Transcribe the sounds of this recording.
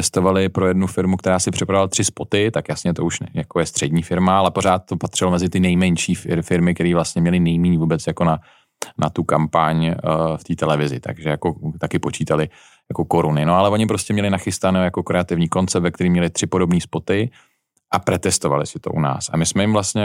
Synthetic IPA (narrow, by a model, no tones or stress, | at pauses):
ɛst̪o̞valɪpɾo̞jɛdnufɪɾmukt̪ɛɾaːsɪpr̥ɪpɾavalat̪r̥ɪspo̞t̪ɪt̪akjasɲɛt̪o̞uʃjakojɛst̪r̥ɛdɲiːfɪɾmaalɛpo̞ɾ̝aːt̪̚t̪o̞pat̪r̥ɪlomɛzɪt̪ɪnɛjmɛɲʃiːfɪfɪɾmɪk̚t̪ɛɾiːvlast̪ɲɛmɲɛlɪnɛjmiːɲvuːbɛt͡sjako̞na | nat̪ukampaɲft̪iːt̪ɛlɛvɪzɪ̰t̪a̰ɡʒɛjako̞t̪akɪpo̞t͡ʃiːt̪alɪ | jako̞ko̞ɾunɪnoalɛvo̞ɲɪpɾo̞scɛmɲɛlɪnaxɪst̪anoːjako̞kɾɛat̪ɪvɲiːko̞nt͡sɛp̪̚vɛkt̪ɛɾimɲɛlɪt̪r̥ɪpo̞do̞bniːspo̞t̪ɪ | ʔapɾɛt̪ɛst̪o̞va̰lɪ̰sɪt̪o̞̰ʔuna̰ːsa̰mɪsmɛjɪmvlast̪ɲɛ